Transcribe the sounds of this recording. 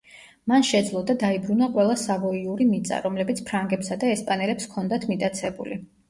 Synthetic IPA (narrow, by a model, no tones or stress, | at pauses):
manʃɛd̪zlˠɔd̪ad̪aibɾunaqʼwɛlˠasavɔiuɾimit̪sʼa̰ɾɔmlɛbit̪sʰpʰɾaŋɡɛpsad̪aɛspʼanɛlɛpskʰɔnd̪at̪ʰmit̪ʼat̪sʰɛbṵli